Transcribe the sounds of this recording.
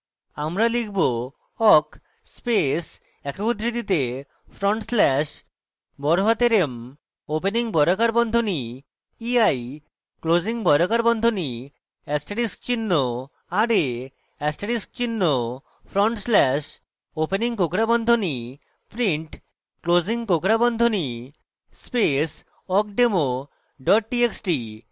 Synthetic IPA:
amɾalikʰbo | ɔk | spes | ɛkobud̪ɾid̪it̪e | pʰɾɔɳʈslɛʃ | bɔɾoɦat̪eɾem | openiŋbɔɾokaɾbɔnd̪ʱoni | iaj | klod͡ʑiŋbɔɾokaɾbɔnd̪ʱoni | ɛsʈeɽisk̚t͡ɕinːo | aɖe | ɛsʈeɽisk̚t͡ɕinːo | pʰɾɔɳʈslɛʃ | openiŋkokɾabɔnd̪ʱoni | pɾiɳʈ | klod͡ʑiŋkokɾabɔnd̪ʱoni | spes | ɔk̚ɖemo | ɖɔʈ̚ʈieksʈi

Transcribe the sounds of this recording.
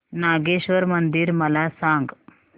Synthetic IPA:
naːɡeːʃʋɐɾmɐnd̪iɾmɐlaːsaːŋɡ

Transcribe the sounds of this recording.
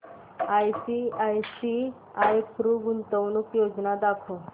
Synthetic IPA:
ajsiajsi | ajpɾuɡunt̪əwnukjod͡ʒnad̪akʰo

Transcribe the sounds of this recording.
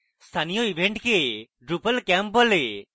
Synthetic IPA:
st̪ʰanijɔibʱeɳʈke | ɖɾupəlkampbɔle

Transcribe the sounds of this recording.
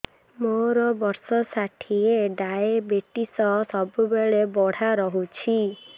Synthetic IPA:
moɾɔbɔɾsɔsaʈʰieɖaebeʈisɔsɔbubeɭebɔɽ̤aɾɔɦut͡ʃʰi

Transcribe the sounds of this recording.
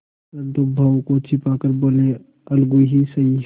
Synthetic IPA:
ɐnd̪obʱawkot͡ʃʰɪpakəɾboːle | ɐlɡuɦisɐi

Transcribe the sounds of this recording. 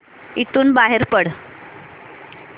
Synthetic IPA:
it̪uːnbaɦeɾpəɽ

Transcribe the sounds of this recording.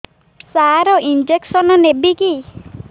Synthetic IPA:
saɾɔʔind͡ʒeksɔnɔnebiki

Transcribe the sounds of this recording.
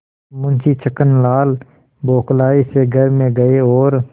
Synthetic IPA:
mʊ̃nt͡ʃʰit͡ʃʰəkənlaːl | boːklaːiseɡʱəɾmẽɡəeɔːɾ

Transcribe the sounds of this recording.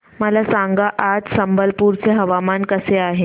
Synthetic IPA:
məlasãŋɡaʔad͡zsəmbəlpuːɾt͡seɦəʋamankəseaɦe

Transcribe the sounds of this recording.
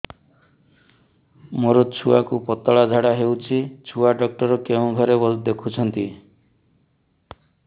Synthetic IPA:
moɾot͡ʃʰuakupɔt̪ɔɭad͡ʒʱaɽaɦewt͡ʃʰit͡ʃʰuaɖɔk̚ʈɔɾɔkeũɡʱɔɾebɔld̪ekʰut͡ʃʰɔnt̪i

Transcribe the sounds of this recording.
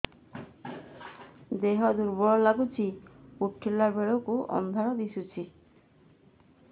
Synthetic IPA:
d̪eɦɔd̪uɾbɔɭɔlaɡut͡ʃʰipuʈʰːilːaɾbeɭɔkuʔɔ̰nd̪ʱaɾɔd̪isut͡ʃʰi

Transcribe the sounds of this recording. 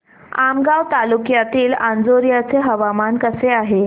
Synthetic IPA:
amɡawt̪alukjat̪iːland͡zoɾjat͡seɦəʋamankəseaɦe

